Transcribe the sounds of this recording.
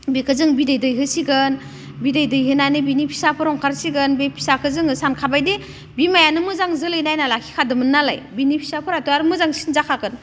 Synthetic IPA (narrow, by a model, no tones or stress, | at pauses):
bekʰɯzɯŋbidɯjdɯjɦɯsiɡɯn | bidɯjdɯjɦɯnanɯbinipʰi̥sapʰɯɾɔŋkʰaɾsiɡɯnbepʰi̥sakʰɯzɯŋɯsankʰabajde | bimajanɯmɯzaŋzɯlɯjnajnalakʰi̥kʰadɯmɯnːala̰jbinipʰi̥sapʰɯɾatɔaɾmɯzaŋsinzakʰakɯn